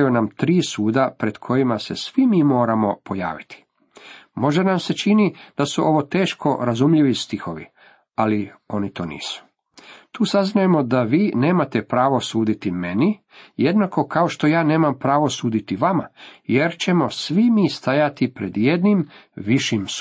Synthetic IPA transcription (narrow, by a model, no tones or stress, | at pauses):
junamt̪ɾiːsuːd̪apɾe̞d̪̥kʰo̞jimase̞̰sʋimiːmo̞ːɾamo̞po̞ja̰ːʋit̪i̥ | mo̞ʒenamse̞t͡ʃinid̪̥asuʔo̞ʋot̪e̞ːʃko̞ɾazumʎiʋist̪ixo̞ʋḭ | alio̞nit̪oːnḭːsu̥ | t̪uːsaznaje̞mo̞d̪aʋiːne̞ːmat̪e̞pɾaːʋo̞suːd̪it̪ime̞ni | je̞d̪nako̞kao̞ʃt̪o̞jaːne̞ːmampɾaːʋo̞suːd̪it̪iʋamaje̞ɾt͡ʃe̞mo̞sʋimiːst̪ajat̪ipɾed̪je̞d̪nimʋiʃims